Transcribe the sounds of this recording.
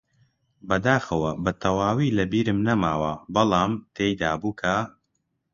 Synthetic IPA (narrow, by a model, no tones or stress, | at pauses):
bɐd̪aːxɐwɐbɐt̪ʰɐwaːwiːlɐbiːɾɨmnɐmaːwɐbɐlˠɑːmt̪ʰeːjd̪aːbuːkʰɐ